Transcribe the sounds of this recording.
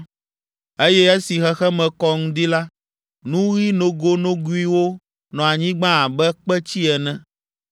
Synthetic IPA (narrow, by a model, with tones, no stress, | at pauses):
e˦jɛ˦ɛ˦si˨xɛ˦xɛ˦mɛ̃˨kɔ˦ŋũ˦d̪i˦la˦ | nũ˦ɣi˦nõ˨ɡo˦nõ˦ɡu˦i˦wo˦ | nɔ̃˨a˨ɲĩ˦ɡ͡bã˦a˨bɛ˦k͡pɛ˦t͡ɕi˦ɛ˨nɛ̃˦